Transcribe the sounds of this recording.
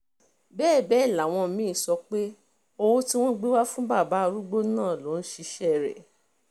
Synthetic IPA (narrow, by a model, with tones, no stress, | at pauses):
bɛː˦˨bɛ˨˦˨la˨w̃ɔ̃˧mĩ˨˦˨sɔ˧k͡pe˦ | o˧wo˦ti˦w̃ɔ̃˦ɡ͡be˦wa˦fũ˦ba˦˨ba˨˦˧ɾu˦ɡ͡bo˦nãː˦˨lo˨˦n̩˦ʃi˧ʃɛ˦˨ɾɛ̰˨